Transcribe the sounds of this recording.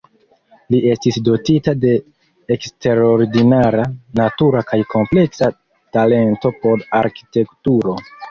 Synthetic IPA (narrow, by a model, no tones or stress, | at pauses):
lie̞stisdo̞titade̞ː | kste̞ɾoɾdinaɾanatuɾakajkʰo̞mple̞ksa | tale̞nto̞po̞ɾaɾki̥te̞ktuɾo̞